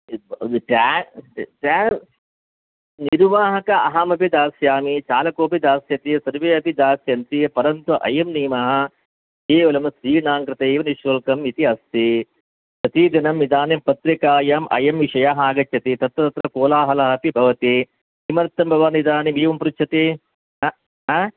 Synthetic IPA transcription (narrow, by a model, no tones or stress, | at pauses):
ʈa | ʈaː | niɾʋaːɦɐkɐʔɐɦɐmɐpid̪aːsjaːmit͡ʃaːlɐkoːpid̪aːsjɐt̪isɐɾʋeːɐpid̪aːsjɐnt̪ipɐɾɐnt̪uʔɐ̰jɐmniːmɐɦɐ̆ | eːʋɐlɐmɐsɾiːnaːŋkɾɪt̪ɐeːʋɐniʃʋɐlkɐmit̪iɐst̪i | sɐt̪iːd̪ɐnɐmnid̪aːnɐmpɐt̪ɾikaːjaːmʔɐ̰jɐmʋiʂɐjaːɦɐaːɡɐt͡ʃjɐt̪it̪ɐt̪ʋɐt̪ɐt̪ɾɐkoːlaːɦɐlɐɦɐpibʱɐʋɐt̪i | imɐɾɐt̪ːɐmbʱɐʋaːnid̪aːnimeːʋɐmpɾut͡ʃʰɐt̪e